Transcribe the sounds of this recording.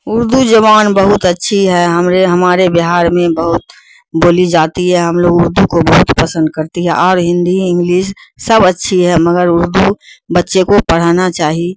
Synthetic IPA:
ʊɾd̪ud͡ʒəʋaːnbəɦʊt̪ətːʃʰiɦɛɦɐmɾeɦəmaːɾebɪɦaːɾmẽbəɦʊt̪̚ | boːlid͡ʒaːt̪iɦɛɦɐmloːɡʊɾd̪ukobəɦʊt̪pəsə̃nd̪̚kəɾt̪iɦɛ̰ʔɔːɾɦɪ̃nd̪iɪ̃ŋɡliːssəbətːʃʰiɦɛməɡəɾʊɾd̪ubətːʃekopəɽ̤anat͡ʃaːɦi

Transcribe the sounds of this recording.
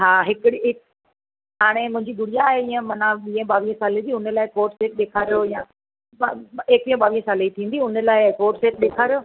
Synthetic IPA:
ɦaːɦɪkɽiɦɪk̚ | ɦaːɽ̃emʊ̃ɦɪ̃ɲd͡ʑiɡʊɽijaːɦeĩːə̃mɐnaɓiːə̃ɓaːʋiːɦə̃saːlib̪iʊnəlaːɪkoːɾʈseːʈ̚ɗeːkʰaːɾijojãː | eːk̚ʋiːə̃ɓaːʋiːɦə̃saːleit̪ʰĩːnd̪iʊnə̆laːɪkoːɾʈseːʈ̚ɗeːkʰaːɾijoː

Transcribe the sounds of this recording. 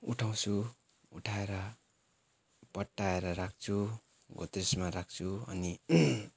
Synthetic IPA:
uʈʰaw̃t͡sʰu | uʈʰaeɾʌ | pʌʈːaeɾʌɾakʰt͡sʰu | ɡʱot̪rismaɾak̚ʰt͡sʰuʌ̰ni

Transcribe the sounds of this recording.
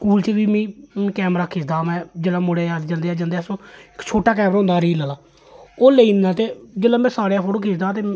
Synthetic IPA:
skuːlt͡ʃəʋiːmĩːkɛːmɾaːkʰeːsd̪aːmɛ̃ːd͡ʒeːlaːmʊɽeːaːd͡ʒənd̪eːaːd͡ʒənd̪eaːsõːkt͡ʃʰoːʈaːk̬ɛːmɾaːɦʊ̃nd̪aːɾiːləlaː | oːleiːnaːt̪eːd͡ʒeːlaːmɛ̃ːsaːɽejaːpʰoːʈoːkʰeːsd̪aːt̪eː

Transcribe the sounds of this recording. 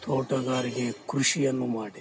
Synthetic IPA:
t̪ʰoːʈɐɡaːɾiɡekɾuʃijɐnːumaːɽe

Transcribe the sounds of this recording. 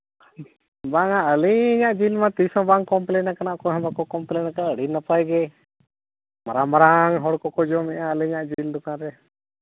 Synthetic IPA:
baŋaəliɲaʔd͡ʒilmat̪isɔ̃baŋkɔmplɛnakanaʔkɔɦɛ̃bakɔkɔmplɛnakaaəɽinapajɡɛ | maɾamaɾaŋɦɔɽkɔkɔd͡ʒɔmɛʔaəliɲaʔd͡ʒild̪ukaɾɛ

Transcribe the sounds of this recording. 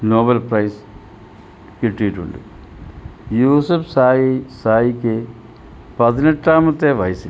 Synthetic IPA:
noːbɐlpɾɐjs | kiʈːiʈːṵɳɖṵ | juːsupsaːjsaːjikːe | pɐðineʈːaːmɐt̪ːeːʋɐjsi

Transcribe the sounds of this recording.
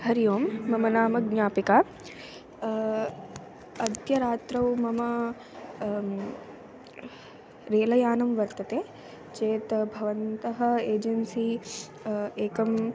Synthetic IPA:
ɦɐɾjoːmːɐmɐnaːmɐɡɲaːpikaː | ɐd̪jɐɾaːt̪ɾɐwmɐmɐ | ɾeːlɐjaːnɐmʋɐɾt̪ɐt̪eː | t͡ʃeːt̪ɐbʱɐʋɐnt̪ɐɦɐ̆eːd͡ʒɐnsi | eːkɐm

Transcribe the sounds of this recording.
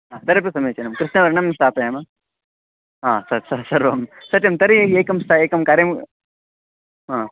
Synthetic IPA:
ɦaːt̪ɐɾipɾɐsɐmeːt͡ʃɐnɐmkɾɪʃnɐʋɐɾnɐmːɐst̪ʰaːt̪ɐjɐmɐ | ɦaːsɐɾsɐsɐɾʋɐmsɐʈɐmt̪ɐɾieːkɐmst̪ʰaeːkɐmkaːɾem | ɦãː

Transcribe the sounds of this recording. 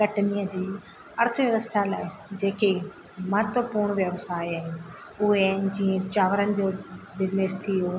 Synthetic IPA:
kɐʈnijəd͡ʑiː | ɐɾt̪ʰəʋjɐʋəst̪ʰalaːɪd͡ʑeːke | mɐɦət̪ʋəpuːɾɽ̃ʋjəʋsaːiaɦ | ʊɦeɦd͡ʑiːə̃t͡ɕaːʋəɾənɪ̆d͡ʑoːbɪd͡ʑnest̪ʰijo

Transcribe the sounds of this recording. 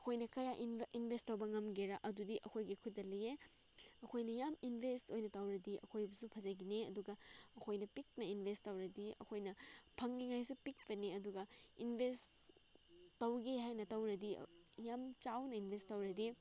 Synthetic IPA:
ɐkʰojnɐkɐjaʔiinbʱestːɐwbɐŋɐmɡeɾɐʔɐdudiʔɐkʰojɡikʰutːɐlɐje | ɐkʰojnɐjaminbʱestojnɐtɐwɾɐdiʔɐ̰kʰojbɐsupʰɐzɐɡineɐduɡɐɐkʰojnɐpik̚nɐinbʱestɐwɾɐdiɐ̰kʰojnɐpʰɐŋniŋajsupik̚pɐneɐduɡɐinbʱest | tɐwɡiɦajnɐtɐwɾɐdḭjamt͡ʃawnɐinbʱestːɐwɾɐdi

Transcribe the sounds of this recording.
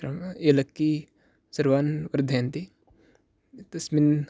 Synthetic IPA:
ɾɐmelɐkːi | sɐɾʋaːnʋɐɾd̪ʱeːnt̪i | t̪ɐsmin

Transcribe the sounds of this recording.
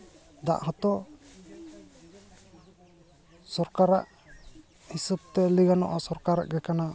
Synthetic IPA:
d̪a̰ʔɦɔt̪ɔ | sɔɾkaɾa̰ʔ | hisub̚t̪ɛliɡanɔʔasɔɾkaɾa̰ʔɡɛkana

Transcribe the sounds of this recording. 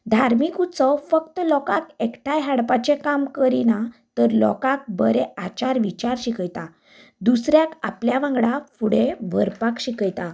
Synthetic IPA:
d̪ʱaɾmikut͡səfəkt̪lɔkakekʈʰajɦaɽpat͡ɕekamkəɾinat̪əɾlɔ̰kak̚bəɾeat͡ɕaɾʋit͡ɕaɾɕikəjt̪a | d̪usɾjaka̰pljaʋãŋɡɽafuɽeʋəɾpakɕikəjt̪a

